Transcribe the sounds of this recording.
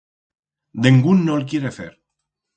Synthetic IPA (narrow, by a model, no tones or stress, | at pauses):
d̪eŋɡunːolk̬jeɾeθḛɾ